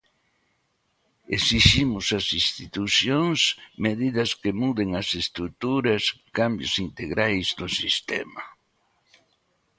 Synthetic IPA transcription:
ḛsiʃimʊsɐsist̪it̪usjoŋsmeðiðɐskɪmuðeŋɐsest̪ɾut̪uɾɐskambjʊsint̪eɣɾajzd̪ʊsist̪ɛ̰mɐ

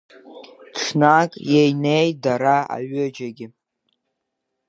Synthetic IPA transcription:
ʈ͡ʂʷʰnakʼjejnejtdaɾaa̰ɥʏd͡ʒaɡʲɪ

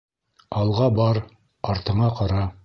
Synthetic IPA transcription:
ɑlˠʁɑbɑɾ | ɑɾt̪ɤ̆ɴɑqɑɾɑ

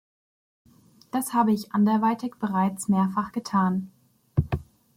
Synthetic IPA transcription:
d̥ashaːbəɪçʔandɛɐvaɪtʰɪkb̥əʁaɪt͡smeːɐfaχɡ̥ətʰaːn

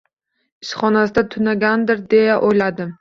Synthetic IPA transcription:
ɪsχɒnasɪd̪at̪ʰʊnaɡʲand̪ɪɾd̪e̞jaʔojlad̪ɪm

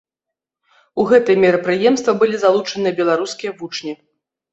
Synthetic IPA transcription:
uɣɛt̪ɨjɛmʲɛɾɐpɾɨjɛmst̪vɐbɨlʲizalˠut͡ʂɐnɨjɐbʲɛlˠaɾuskʲijɐvut͡ʂnʲi

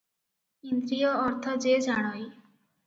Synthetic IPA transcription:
end̪ɾijɔːɾt̪ʰɔd͡ʒed͡ʒaɽ̃ɔj

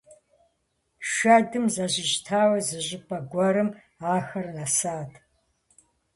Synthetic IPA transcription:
ʃʷɐdɨmzɐʑɪʒtʰaːwɐzɨʑɪpʼɐɡʷɔɾɨm | aːxɐrnɐsaːtʰʼ

